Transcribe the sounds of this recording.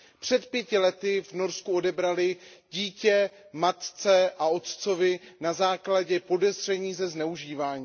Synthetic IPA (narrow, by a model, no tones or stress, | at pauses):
pr̝̥ɛt̪pjɛcɪlɛt̪ɪvno̞ɾskuo̞dɛbɾalɪɟiːcɛ | mat̪t͡sɛʔao̞t̪t͡so̞vɪnazaːklaɟɛpo̞dɛzr̝ɛɲiːzɛznɛuʒiːvaːɲiː